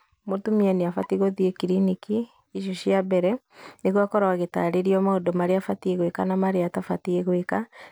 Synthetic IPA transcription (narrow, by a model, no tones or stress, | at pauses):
motumianeafatiɣoðiekiɾiniki | iʃ̬ɔɕiabɛɾɛ | neɣwakɔɾaaɣeta̰ɾeɾiɔmaodomaɾeafatieɣwekanamaɾeatafatieɣweka